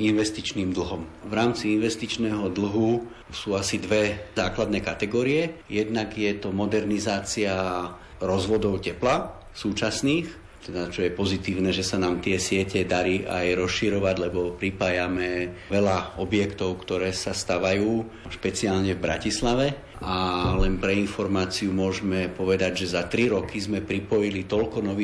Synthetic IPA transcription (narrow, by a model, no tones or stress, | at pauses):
inʋɛst̪it͡ʃniːmd̪l̩ˠɦɔmvɾaːmt͡siinʋɛst̪it͡ʃnɛːɦɔd̪l̩ɦu | suːasid̪ʋɛzaːklad̪nɛːkat̪ɛɡɔːɾiɛjɛd̪naɡjɛt̪ɔmɔd̪ɛɾnizaːt͡sia | ɾɔzʋɔd̪ɔʊcɛpla | suːt͡ʃasniːx | t̪ɛd̪at͡ʃɔjɛpɔzit̪iːʊnɛʒɛsanaːmt̪ɪɛsɪɛcɛd̪aɾiʔa̰jɾɔsʃiɾɔʋaɟlɛbɔpɾipaːjamɛʋɛlaɔbjɛkt̪ɔʊkt̪ɔɾɛːsast̪aʋajuː | ʃpɛt͡sialɲɛvbɾa̰cislaʋɛ | alɛnpɾɛinfɔɾmaːt͡siumʊɔʒmɛpɔʋɛd̪aɟʒɛzat̪ɾiɾɔkizmɛpɾipɔjilit̪ɔlkɔnɔʋi